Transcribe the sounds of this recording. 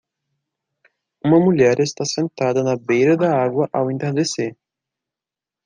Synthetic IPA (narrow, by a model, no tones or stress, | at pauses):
ũmɐmuʎɛɾest̪asẽnt̪ad̪ɐnɐbejɾɐd̪ɐaɡwɐʔawĩnt̪ẽd̪ese